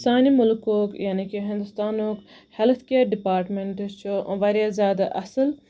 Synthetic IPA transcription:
saːnimʊlkoːkjaːnikiɦɪ̃nd̪ust̪aːnoːk | helt̪ʰkeːɾɖipaːɾʈmeɳʈt͡ʃʰoʋɐɾjazjaːd̪aʔɐsəl

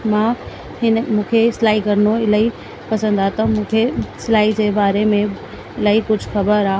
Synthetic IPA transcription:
mãː | ɦɪnmũːkʰeɪsɪlaːikɐɾnoɪlai | pɐsə̃nd̪aːt̪ɐmũːkʰesɪlaːid͡ʑeːbaːɾemẽ | ɪlaːikʊd͡ʑʱʊxɐbəɾaː

